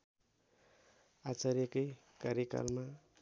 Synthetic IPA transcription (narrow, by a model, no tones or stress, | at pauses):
at͡saɾjekʌj | kaɾjeka̰lma